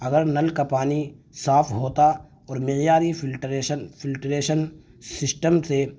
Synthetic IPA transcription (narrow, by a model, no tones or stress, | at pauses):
ɐɡəɾnɐlkapaːnisaːpʰɦoːt̪a | ɔːɾmɪjaːɾifʰɪlʈɾənpʰɪlʈɾeːʃən | sɪsʈəmse